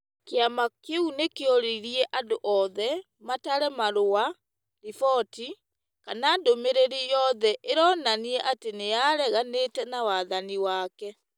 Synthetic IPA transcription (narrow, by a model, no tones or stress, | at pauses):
keamakeunekeɔɾeiɾiɛʔadoʔɔːðɛ | mataɾɛmaɾowa | lifɔti | kanaːndomeɾeɾijɔːðɛʔeɾɔːnaniɛʔatenejaɾɛɣanetɛnawaðaniwaːkɛ